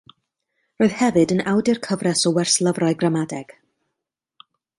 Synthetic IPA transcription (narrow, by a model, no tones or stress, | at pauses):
roːð̥hɛvɨdənawdɪrkʰəvrɛsɔwɛrslˠəvraɨɡramadɛɡ̥